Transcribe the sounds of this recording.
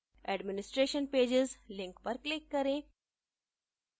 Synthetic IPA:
ɛɖmɪnɪsʈɾeːʃənpeːd͡ʒɪzlɪ̃ŋkpəɾklɪkːəɾẽ

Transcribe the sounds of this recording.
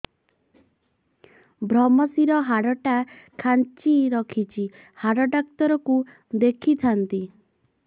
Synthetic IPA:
bʱɾɔmɔsiɾɔɦaɽɔʈakʰant͡ʃiɾɔkʰit͡ʃʰi | haɽɔɖakt̪ɔɾɔku | d̪ekʰit̪ʰant̪i

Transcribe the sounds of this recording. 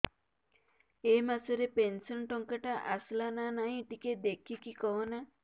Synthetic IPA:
emasɔɾepensɔnʈɔŋkaʈaʔaslananaĩʈiked̪ekʰikikɔɦɔna

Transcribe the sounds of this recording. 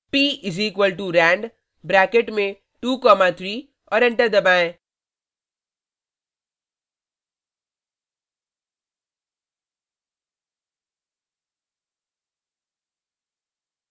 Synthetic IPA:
piːʔɪziːkʋəlʈuɾɛ̃ːɳɖ | bɾɛːkeʈmẽ | ʈuːkɔːmat̪ʰɾiː | ɔːɾɪ̃ɳʈəɾd̪ɐbaẽ

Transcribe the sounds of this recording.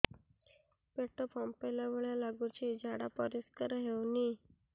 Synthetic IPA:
peʈəpɔmpelaʋeɭjalaɡut͡ɕid͡ʑʱaɽapɔɾiskəɾɦewniː

